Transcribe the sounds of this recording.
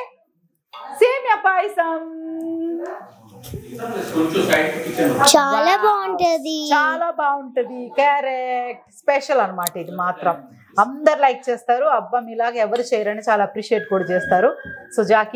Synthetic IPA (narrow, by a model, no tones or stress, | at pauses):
seːmjɐpaːjsɐm | ususɐjʈupːit͡ʃːɐnt͡ʃaːlaːbaːuɳʈund̪it͡ʃaːlaːbaːuɳʈud̪ikɐɾek̚ʈspeʃɐlɐnɐmaːʈed̪imaːt̪ɾɐm | ɐnd̪ɐɾilɐjk̚t͡ʃeːst̪aːɾuɐbːɐmilaːɡɐɛʋɐɾut͡ʃɛːjɐɾɐnit͡ʃaːlaːɐpɾiːʃieːʈ̚kuːɽɐt͡ʃeːst̪aːɾusud͡ʒaːki